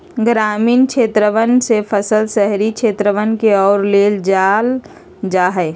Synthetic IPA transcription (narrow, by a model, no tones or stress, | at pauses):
ɡɾaːmiːnkʃʰeːt̪ɾəʋənsepʰəsəlsəɦɾikʃʰeːt̪ɾəʋənkeɔːɾleːld͡ʒal | d͡ʒaɦɛ